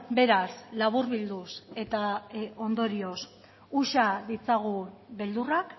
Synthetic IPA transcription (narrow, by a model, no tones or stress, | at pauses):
be̞ɾaslaβ̞uɾβild̪use̞t̪ao̞nd̪o̞ɾio̞s | uʃaðit͡saɣ̞uβe̞ld̪urak